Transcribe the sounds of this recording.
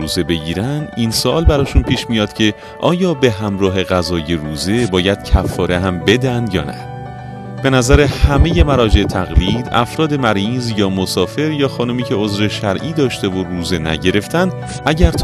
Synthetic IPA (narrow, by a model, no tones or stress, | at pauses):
uːze̞be̞ɡiːɾænd̪ʔinsoʔɒːlbæɾɒːʃunpʰiːʃmijɒːd̪̥cʰe̞ | ʔɒːjɒːbe̞ɦæmɾɒːɦe̞ɣæzɒːje̞ɾuːze̞bɒːjæd̪̥̚cʰæfːɒːɾe̞ɦæmbe̞d̪ænd̪jɒ̰ːnæ̰ | b̥e̞næzæɾe̞hæme̞je̞mæɾɒːd͡ʒe̞ʔet̪ʰæɣliːd̪æ̰fɾɒːd̪e̞mæɾizjɒːmosɒːfe̞ɾjɒːxɒːnumiːcʰe̞o̞zɾe̞ʃæɾʔiːd̪ɒːʃt̪e̞voruːze̞næ̰ɟe̞ɾe̞ft̪ænd̪ | ʔæɟæɾt̪ʰ